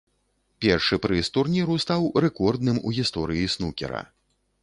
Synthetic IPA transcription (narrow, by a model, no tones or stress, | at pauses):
pʲɛrʂɨpɾɨst̪urnʲiɾust̪awɾɛkɔrd̪nɨmṵɣʲist̪ɔɾɨisnukʲɛ̰ɾɐ̰